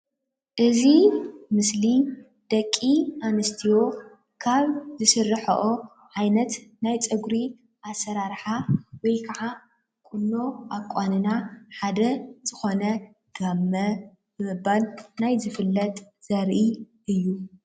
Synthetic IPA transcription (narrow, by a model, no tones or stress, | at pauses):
ʔɨzimɨsli | d̪̥ɐkʼːiʔanɨst̪ʰijo̞ | kʰaβzɨsɨrːɨħɐ̰ʔo | ʕajnɐt̪najt͡sʼɨɡɾi | ʔasɐɾaɾħawɔjkʰɐʕa | kʼʊnːo̞ʔakʷʼanɨnaħad̪ɐz̥ɨxo̞nɐ | ɡ̥amːɐ | bɨmɨbalnajzɨfɨlːɐt̪ʼ | z̥ɐɾʔi | ʔɨjːu